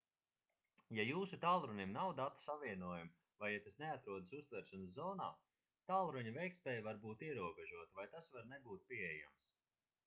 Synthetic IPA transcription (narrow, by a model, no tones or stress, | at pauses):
jajuːsut̪aːlˠɾuɲʲimnawd̪at̪u̥savʲiɛnuɔːjum | vajat̪asneat̪ɾuɔd̪əsust̪vɛɾʃanszɔːna̰ː | t̪aːlˠɾuɲɐvɛjk̚tspʲɛːjvaɾbuːt̪iɛɾuɔbɛʒuɔt̪avajt̪asvaɾnebuːt̪̚pʲiɛɛja̰ms